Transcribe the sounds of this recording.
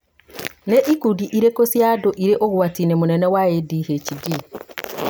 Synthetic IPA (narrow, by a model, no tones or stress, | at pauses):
neʔikudiʔiɾekosjadoʔiɾeʔoɣwatinemunɛnɛwajediːheciɡi